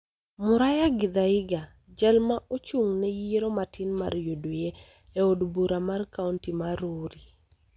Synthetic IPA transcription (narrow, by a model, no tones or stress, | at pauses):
mʊɾajaɡɪd̪aɪɡa | d͡ʒalmaʔot͡ʃuŋnɛjiɾɔmatʰɪnma̰rjodwje | ɛodbuɾamarkauntimaɾoɾi